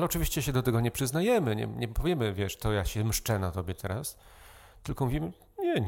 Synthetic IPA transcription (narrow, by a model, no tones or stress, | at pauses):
alɛɔt͡ʂɨvʲiɕt͡ɕɛɕɛd̪ɔt̪ɛɡɔɲɛpʂɘznajɛmɘɲɛ̰ɲɛpɔvʲjɛmɘvʲjɛʂt̪ɔjaɕɛmʂt͡ʂɛnat̪ɔbʲjɛt̪ʰɛɾas | t̪ɘlkɔmuvʲimɘ | ɲɛɲ